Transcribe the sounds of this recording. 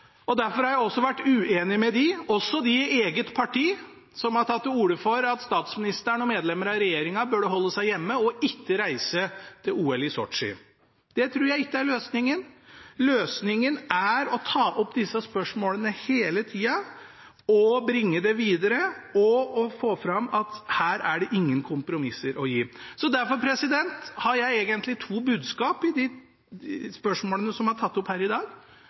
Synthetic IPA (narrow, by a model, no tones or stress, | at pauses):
ɔd̪æɾfɔɾhɑɾjæɪɔsːɔʋæʈːʉeːnɪmɛd̪ɪɔsːɔd̪ɪeːɡət̪pʰɑʈʰiː | sɔmhɑɾʈʰɑt̪ːuːɾəfɔɾɑt̪st̪ɑːt̪smɪnɪst̪əɳɔmeːd̪lɛmːəɾɑɾɛjeːɾɪŋɑbøɖɛɦɔlːəsæɪjɛmːəɔʔɪkːəɾæɪsət̪ʰɪluːɛlɪsɔ̰ʈʂɪ̰ | d̪̥ɛt̪ʰɾuːɾjæɪɪkːəæɾɭøːsnɪŋːənløːsnɪŋənæɾɔt̪ʰɑːʔɔpːd̪ɪsːɑspœʂmoːlənəheːlət̪ʰiːɑ | ɔbɾɪŋːəd̪ɛʋiːd̪əɾəɔɔfoːfɾɑmːɑt̪hæːɾæɖɛʔɪŋːənkʰʊmpɾʊmɪsːəɾɔjiːsɔd̪æɾfɔɾpʰɾɛsɪd̪ɛnt̪hɑɾjæɪeːɡənt̪lɪt̪ʰuːbʉːd̪skɑːpɪd̪ɪ | spœʂmoːlənəsɔmhɑʈʰɑt̪ːɔphæːɾɪd̪ɑːɡ